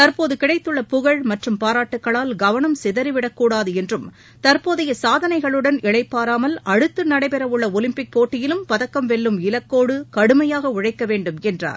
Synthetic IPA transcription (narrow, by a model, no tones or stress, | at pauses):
t̪ɐɾpoːðɯkɪɽɐɪt̪ːɯɭːɐpʊɣɐɭmɐʈrɯmpaːɾaːʈːɯkːɐɭaːlɡɐʋɐnɐmsɪðɐɾiʋɪɽɐkːuːɽaːðɯɛndrɯm | t̪ɐɾpoːðɐjɐsaːðɐnɐɪɣɐɭɯɽɐnɪɭɐɪpːaːɾaːmɐlʔɐɽɯt̪ːɯnɐɽɐɪpɛɾɐʋɯɭːɐɔlɪmpɪk̚poːʈːɪjɪlɯmpɐðɐkːɐmʋɛɭːɯmɪlɐkːoːɽɯkɐɽɯmɐjaːɣɐʊɻɐɪkːɐʋeːɳɖɯmɛndra̰ːɾ